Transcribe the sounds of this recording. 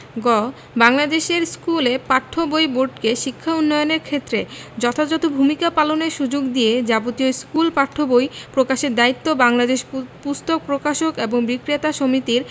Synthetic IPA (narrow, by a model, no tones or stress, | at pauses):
ɡɔ | baŋlad̪eʃeɾskulepaʈʰːobojboɖkeʃikʰːaunːɔjoneɾkʰet̪ːɾed͡ʑɔt̪ʰad͡ʑɔt̪obʱumikapaloneɾʃud͡ʑoɡd̪ijed͡ʑabot̪ioskulpaʈʰːobojpɾokaʃeɾd̪ait̪ːobaŋlad̪eʃpust̪ok̚pɾokaʃokeboŋbikɾiat̪aʃomit̪iɾ